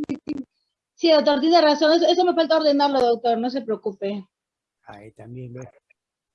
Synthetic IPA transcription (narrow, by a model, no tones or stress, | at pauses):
sisi | siðowt̪̬oɾt̪̬iðeraso̞ŋes̬oesome̞falt̪aoɾðenaɾloðowt̪o̞ɾnos̬e̞pɾeokupe̞ | a̰it̪ambjembe